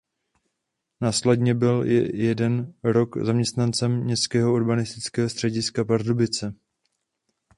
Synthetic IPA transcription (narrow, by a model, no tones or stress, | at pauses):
naːslɛdɲɛbɪlj̰jɛdɛnɾo̞kzamɲɛst̪nant͡sɛmɲɛskɛːɦo̞oɾbanɪst̪ɪt͡skɛːɦost̪r̝̥ɛɟɪskapaɾdobɪt͡sɛ